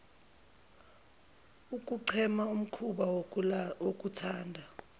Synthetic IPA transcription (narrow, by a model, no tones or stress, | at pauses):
uk̬ʼuǀʰɛmaum̩kʰuɓa | wok̬ʼutʰaːndʱa